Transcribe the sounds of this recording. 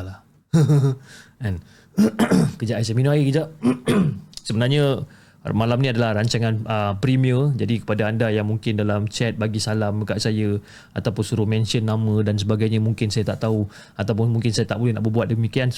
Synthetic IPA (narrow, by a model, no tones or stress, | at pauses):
la | ɛn | kəd͡ʒaʔasɛminaikəd͡ʒaʔ | səbənarɲə | malamnĩadalahraɲt͡ʃaŋãnəpɾimiəd͡ʒadikə̥padaːndajaŋmuŋkɪndalamt͡ʃɛt̪̚baɡisalaməkaʔsajə | at̪awpʊnsuɾumɛ̃nsiənːãmə̃dans̬əbaɡajɲamũŋkɪnsajat̪aʔt̪au | at̪awp̬ʊnmuŋkɪnsajat̪aʔbolɛhnaʔbəbuat̪̚dəmikian